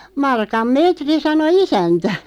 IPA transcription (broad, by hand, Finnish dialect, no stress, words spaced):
mɑrkɑm meːtri sɑno isæntæ